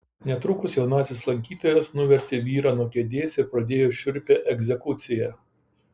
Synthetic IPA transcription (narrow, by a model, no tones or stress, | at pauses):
nʲɛt̪ɾʊkʊsjɛʊnɑːsʲɪslˠɐŋʲkʲiːt̪oːjɛsnʊʋʲɛɾʲt̪ʲɪʋʲiːɾɑːnuɔkʲɛd̪ʲeːsʲɪɾpɾɐd̪ʲeːjoːʃʲʊɾʲpʲɛʔɛɡʲzʲɛkʊt̪sʲɪjɛ